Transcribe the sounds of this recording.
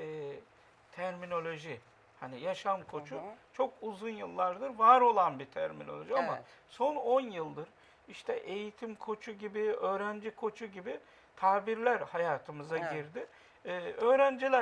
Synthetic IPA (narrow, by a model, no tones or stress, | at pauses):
ɛː | t̪ʰæɾmino̞lʲo̞ʒi | hanijaʃamkʰo̞t͡ʃʰut͡ʃʰo̞kuzunjɯlˠːaɾd̪ɯɾvaɾo̞lˠanbit̪ʰæɾmḭno̞̰lʲo̞ʒiamaso̞no̞njɯlˠd̪ɯɾ | iʃt̪ʰɛʔe̞jit̪ʰimkʰo̞t͡ʃʰuɟibiø̞ːɾænd͡ʒikʰo̞t͡ʃʰuɟibi | t̪ʰaːbiɾlʲæɾhajaːt̪ʰɯmɯzaɟiɾd̪ɪː | øːɾænd͡ʒilʲæ